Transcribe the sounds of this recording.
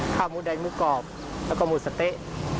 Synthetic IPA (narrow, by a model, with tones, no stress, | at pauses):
kʰaː˧˩w̚muː˧˩da˨˦jmuː˧˩˨kɔː˨˩p̚ | lɛː˧˥wkɔː˧˩muː˧˩sa˧t̪e˧˨ʔ